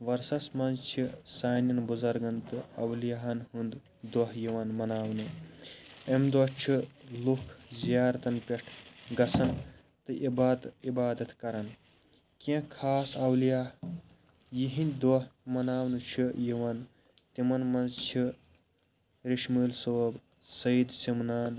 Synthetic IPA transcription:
ʋɐɾsɐsmɐnzt͡ʃʰisaːnɐnbuzɐɾɡɐnt̪ɨɐwlijaɦɐnɦɨnd̪ | d̪ɔɦjiʋɐnmɐnaːwnɨ | emd̪ɔt͡ʃʰilukʰzijaːɾt̪ɐnpʲeʈʰɡɐsʰɐn | t̪ɨʔibaːt̪ibaːd̪ɐt̪kɐɾɐn | kẽkʰaːsɐwlijaːɦ | jiɦinʲd̪ʲd̪ɔɦmɐnaːwnɨt͡ʃʰijiʋɐn | t̪imɐnmɐnzt͡ʃʰi | ɾiʃmuːlsowb | sɐid̪simnaːn

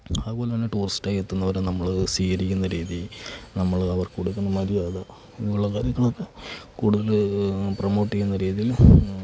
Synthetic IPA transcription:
aːðpo̞ːlɐmɐnːeʈuːrisʈaːjet̪ːunːɐʋɐɾenɐmːɐɭsiːɣɐɾikʲːunːɐɾiːðinɐmːɐɭɐʋɐrkuɽukːɐnːɐmɐɾijaːðɐ | iiuɭːɐkaːɾjɐŋːɐɭo̞kːekuːɽuðɐlprɐmo̞ːʈːikʲːunːɐɾiːðijil

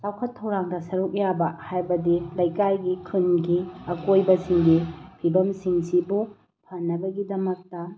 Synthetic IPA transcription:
lawkʰɐtʰːɐwɾaŋdɐsɐɾuk̚jabɐhajbɐdilɐjkajɡikʰɯnɡiɐkojbɐsiŋɡipʰibɐmsiŋsibu | pʰɐnːɐbɐɡidɐmɐk̚tɐ

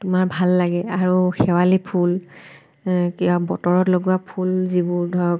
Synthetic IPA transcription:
tʊmaɹbʱalːaɡɛaɹuxɛwalipʰul | kiabɔtɔɹɔtloɡuwapʰulzibʊɹdʱɔɹɔk̚

